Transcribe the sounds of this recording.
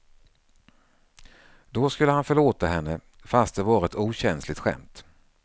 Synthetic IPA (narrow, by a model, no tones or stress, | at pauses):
d̪ɔskɵlːəhanfœɭoːt̪aɦɛnːə | fast̪̚d̪ɛvɑːɾaɛt̪uːɕɛnslɪt̪ɧɛ̰mt̪